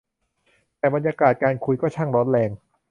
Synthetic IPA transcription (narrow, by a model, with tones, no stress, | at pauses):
t̪ɛː˨˩ba˧njaː˧kaː˨˩t̪̚kaː˧nkʰu˧jkɔː˥˩t͡ɕʰa˥˩ŋɾɔː˦˥nlɛː˧ŋ